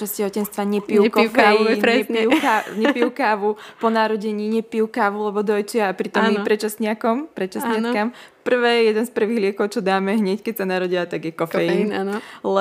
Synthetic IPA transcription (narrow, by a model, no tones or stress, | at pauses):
ɛscɛɦɔcɛnst̪ʋaɲɛpiukɔfɛɛiukaɲɛpijukaːʋupɔnaɾɔɟɛɲiːɲɛpijukaːʋulɛbɔd̪ɔjt͡ʃɪaːpɾit̪ɔmipɾɛt͡ʃasɲɪakɔmpɾɛt͡ʃasɲɪakampr̩ʋɛːjɛjɛd̪ɛnspr̩ʋiɣlɪɛkɔʊt͡ʃɔd̪aːmɛɦɲɛckɛcsanaɾɔɟiat̪aɡjɛkɔfɛjinanlɛ